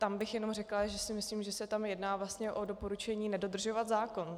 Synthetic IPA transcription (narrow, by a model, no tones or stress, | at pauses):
t̪ambɪxjɛno̞mrɛklaʒɛsɪmɪsliːmʒɛsɛt̪amjɛdnaːvlast̪ɲɛʔo̞do̞po̞ɾut͡ʃɛɲiːnɛdo̞d̪r̩ʒo̞vat̪zaːko̞n